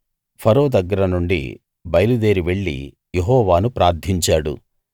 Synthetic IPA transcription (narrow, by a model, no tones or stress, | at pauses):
pʰɐɾoːd̪ɐɡːɐɾɐnuɳɖḭ | bɐjɐlud̪e̞ːɾiʋe̞ɭːḭ | jeɦɔːʋaːnupɾaːɾd̪ʰʱiɲt͡ʃaːɽṵ